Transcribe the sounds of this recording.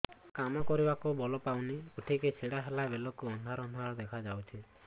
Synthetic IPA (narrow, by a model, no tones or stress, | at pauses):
kamɔkɔɾibakubɔlɔpawniuʈʰiket͡ʃʰiɽaɦelabelɔkuɔnd̪ʱaɾɔnd̪ʱaɾɔd̪ekʰad͡ʒawt͡ʃʰi